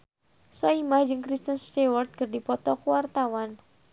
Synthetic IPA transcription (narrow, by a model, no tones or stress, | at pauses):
sɔimahd͡ʒɨŋkɾist̪ənst̪ewɔrt̪̚kərdipɔt̪ɔkuwart̪awan